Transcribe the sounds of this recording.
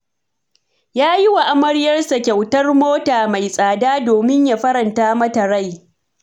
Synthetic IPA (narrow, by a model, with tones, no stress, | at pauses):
jaː˦jɪ˦wa˨ʔa˦mɐ˦ɽɪ˦jɐ˦rsa˨kʲa˨wtɐ˦rmoː˦taː˨ma˨jsʼaː˨daː˦doː˨mɪ˦ɲja˨ɸɐ˦ɾɐ˨ntaː˦mɐ˦tɐ˨ɽa˦˨j